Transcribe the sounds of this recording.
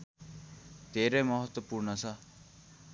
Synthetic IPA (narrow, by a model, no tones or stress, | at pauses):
t̪eːɾemɔɦɔt̪ːwɐpuːɾɳɐsa